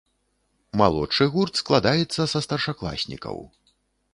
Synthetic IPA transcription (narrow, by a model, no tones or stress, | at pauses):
ma̰lˠɔ̰t͡ʂɨɣurt̪sklˠad̪ajɛt̪sːɐsɐst̪ɐrʂaklˠa̰sʲnʲḭkɐ̰w